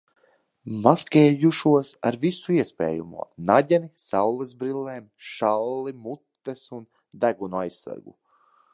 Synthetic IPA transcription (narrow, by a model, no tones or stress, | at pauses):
maskʲeːjuʃuɔsa̰ɾvisuiɛspḛːjṵmṵɔnaɟʲɛnisawlɛzbɾilːeːmʃallimut̪ːesun | d̪æɡunuajsːa̰ɾɡṵ